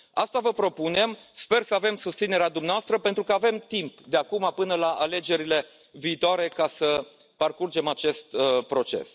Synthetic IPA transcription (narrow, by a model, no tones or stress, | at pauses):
ast̪avəpɾo̞pune̞mspe̞rsəave̞msust̪sine̞ɾead̪umneaast̪ɾəpe̞nt̪ɾukəave̞mt̪impd̪eakumapɨnəlaʔale̞d͡ʒe̞ɾile̞ | viːt̪oaɾe̞kasə | parkurd͡ʒe̞mat͡ʃe̞st̪pɾo̞t͡ʃe̞̰s